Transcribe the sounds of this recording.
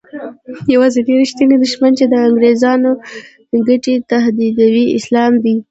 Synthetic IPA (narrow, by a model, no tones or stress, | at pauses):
jawɑzeɖeɾeʃt̪ined̪ʊʃmant͡ʃed̪əaŋɡɾezɑno | d̪̥əɡaʈet̪aɦd̪id̪awiɪ̰slɑmd̪i